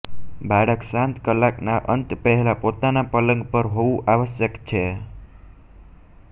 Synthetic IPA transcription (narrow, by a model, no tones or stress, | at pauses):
bʱaɽəksãnt̪kəlːaknaʔənt̪pəɦɛlapot̪anapələŋɡpəɾɦoʋũʔaʋəʃjəkt͡ʃʰe